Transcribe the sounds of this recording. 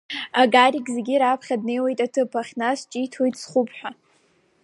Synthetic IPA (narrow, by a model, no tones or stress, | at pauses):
aɡaɾiɡʲʼzeɡʲiɾapʰχʲadne̞jwejtʼatʰɨpʰaχʲnast͡ʃʼitʰojtʼsχupʰħʷᶣa